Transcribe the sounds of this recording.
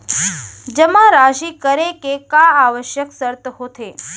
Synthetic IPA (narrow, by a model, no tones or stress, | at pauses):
d͡ʒəmãɾaʃiːkəɾekekaaʋəʃjəksəɾt̪əɦot̪ʰe